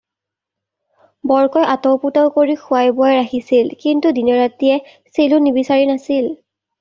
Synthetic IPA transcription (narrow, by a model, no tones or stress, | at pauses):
bɔɹkɔjʔatɔwputaʊkoɹixʊajbʊajɹaxisilkintudinɔɹatijɛ | selʊnibisaɹinasil